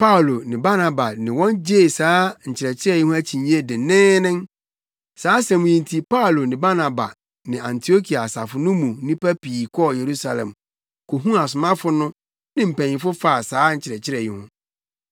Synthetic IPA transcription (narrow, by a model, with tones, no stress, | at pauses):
pa˦u˨lo˨nɪ̃˨ba˦nã˨ba˨nɪ̃˨wɔ̃˦nd͡ʑeː˦˨saː˨˦ɲ̩˨t͡ɕʰɪ˨ɾɛ˨t͡ɕʰɪ˦ɾɛ˦˨ji˦hʊ̃˦æ˦t͡ɕʰi˨ɲĩ˦e˦dɪ̃˨˦nɪ̃˦nɪ̃˦n | saː˨˦sɛ̃˨mʊ̃˨ɲĩ˨ntʰi˨pa˦u˨lo˨nɪ̃˨ba˦nã˨ba̰˨ | nɪ̃˨ã˨ntʰi˨o˦kʰi˨a˨sa˨fʊ˨nʊ̃˦mũ˨˦nĩ˦pæ˦piː˨kʰɔ˦˨je˨ɾu˦sa˨lɛ̰̃˨m | kʰo˨ɦũ˦a˨sʊ˨mã˦fʊ˦nʊ̃˦ | nɪ̃˦m̩˨pæ̃˨ɲĩ˨fʊ˦fa˦˨saː˦ɲ̩˨t͡ɕʰɪ˨ɾɛ˨t͡ɕʰɪ˦ɾɛ˨ji˦hʊ̰̃˦